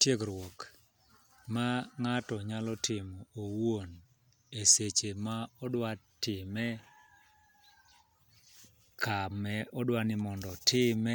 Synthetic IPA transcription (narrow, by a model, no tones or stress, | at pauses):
tjeɡɾwɔk | maŋatɔɲalɔtʰɪmɔowon | eset͡ʃemaɔdwatɪmɛ | kʰamɛʔɔdwanɪmɔndɔtʰɪmɛ